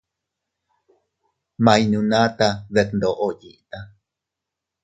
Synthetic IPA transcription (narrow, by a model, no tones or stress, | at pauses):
mainũnat̪aðeknd̪oʔojiʔt̪a